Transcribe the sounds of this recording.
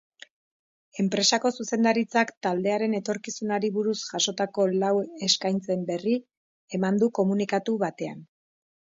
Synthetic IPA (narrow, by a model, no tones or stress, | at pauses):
e̞mpɾe̞sako̞suse̞nd̪aɾit͡sakt̪ald̪e̞aɾe̞ne̞t̪o̞ɾkisunaɾiβuɾusʝaso̞t̪ako̞lawe̞skajnt͡se̞mbe̞ri | e̞mand̪uko̞munikat̪uβat̪e̞a̰n